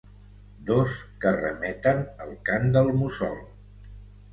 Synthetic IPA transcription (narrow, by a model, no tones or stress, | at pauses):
d̪oskərə̰mɛt̪ənəlˠkand̪əlˠmusɔ̰lˠ